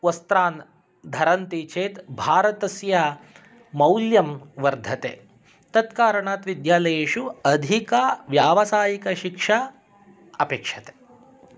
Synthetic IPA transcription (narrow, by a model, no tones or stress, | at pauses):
ʋɐst̪ɾaːn | d̪ʱɐɾɐnt̪it͡ʃʰeːt̪bʱaːɾɐt̪ɐsjɐ | mɐwljɐmʋɐɾd̪ʱɐt̪ḛː | t̪ɐt̪kaːɾɐɳaːt̪ʋid̪jaːlɐjeːʃuɐd̪ʱikɐʋjaːʋɐsaːjikɐʃikʂɐ | ɐpeːkʂɐt̪e̥